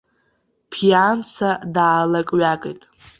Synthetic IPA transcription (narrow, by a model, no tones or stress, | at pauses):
pʰijant͡sʰadaːlakʼɥakʼejtʼ